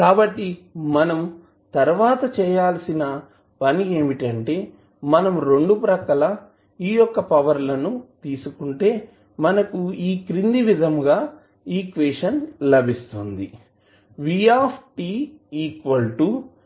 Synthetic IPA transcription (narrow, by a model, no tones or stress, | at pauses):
kaːbɐʈːimɐnɐm | t̪ɐɾʋaːt̪ɐt͡ʃɛːjaːlsinɐ | pɐnie̞ːmiʈɐɳʈe̞ː | mɐnɐmɾe̞ɳɖupɾɐkɐlɐ | iːjɔkːɐpɐʋɐɾlɐnut̪iːsukuɳʈe̞ː | mɐnɐkuiːkɾind̪iʋid̪ʱɐmɡaː | iːkʋeːʂɐnlɐbʱist̪und̪i | ʋijaːpʰʈiːiːkʋɐlʈu